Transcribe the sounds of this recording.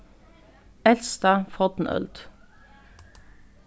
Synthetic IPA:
ɛlst̪ɑːfɔt̪n̩œ̰ld̪̥

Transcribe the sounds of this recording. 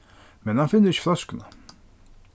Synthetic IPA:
mɛnhanfɪnːəɾɪç̥flœskəna

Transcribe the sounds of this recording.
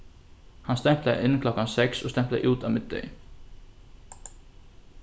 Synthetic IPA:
hanst̪ɛm̥plaɪnːkʰlɔkːansɛksɔst̪ɛm̥plaɪʔuːt̪awmɪd̪̚d̪ḛj

